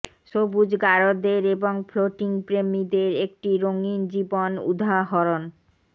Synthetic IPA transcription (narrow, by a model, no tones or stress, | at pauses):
ʃobud͡ʑɡaɾod̪eɾeboŋfʰloʈiŋpɾemid̪eɾek̚ʈiɾoŋind͡ʑibonṵd̪ʱaɦɔɾon